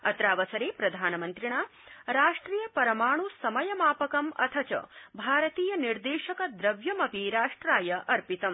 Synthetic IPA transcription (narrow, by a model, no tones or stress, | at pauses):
ɐ̰t̪ɾaːʋɐsɐɾeːpɾɐd̪ʱaːnɐmɐnt̪ɾiɳaːɾaːʂʈɾiːjɐpɐɾɐmaːɳusɐmɐjɐmaːpɐkɐmɐ̰t̪ʰɐt͡ʃɐ̰bʱaːɾɐt̪iːjɐniɾd̪eːʃɐkɐd̪ɾɐʋjɐmɐpiɾaːʂʈɾaːjɐʔɐɾpit̪ɐm